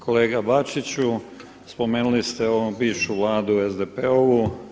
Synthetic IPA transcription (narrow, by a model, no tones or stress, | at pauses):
kʰo̞le̞ːɡabat͡ʃit͡ɕu | spo̞me̞ːnulist̪eobiːʋʃuʋlˠaːd̪uezd̪epeou